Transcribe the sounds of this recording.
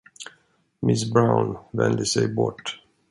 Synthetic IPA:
mɪsbɾaʊnvɛnd̪əsɛjbɔ̰ʈː

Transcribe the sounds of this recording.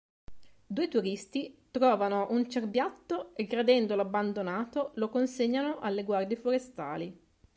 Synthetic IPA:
d̪uːet̪uɾist̪it̪ɾɔːvanoʔunt͡ʃerbjat̪ːoeɡɾad̪ɛnd̪olabːand̪onaːt̪olokonseɲːanoʔalːeɡward̪jefoɾest̪a̰ːli

